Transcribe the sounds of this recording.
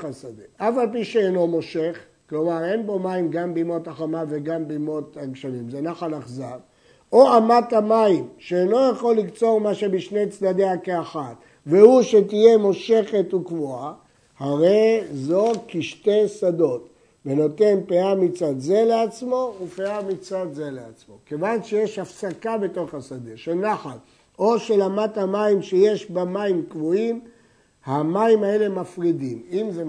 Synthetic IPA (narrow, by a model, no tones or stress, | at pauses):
asad̪eafalpiʃeeno̞mo̞ʃe̞χ | klo̞maʁe̞nbo̞maimɡambeimo̞taχamaveɡambeimo̞t̪aɡʃalimzenaχalaχzav | o̞amat̪amaimʃeːno̞jaχo̞lːikt͡so̞ʁmaʃe̞biʃne̞jt͡sdad̪eakeaχat | vehuʃet̪ije̞mo̞ʃe̞χe̞t̪ukvua | haʁe̞zo̞kiʃte̞sado̞t | veno̞te̞npeamit͡sad̪ze̞leat͡smo̞upeamit͡sad̪ze̞leat͡smo̞ke̞vanʃe̞je̞ʃafsakabe̞to̞χasadeʃenaχat | o̞ʃe̞lamathamaimʃeje̞ʃbamaimkvuim | hamaimae̞le̞mafʁidimimze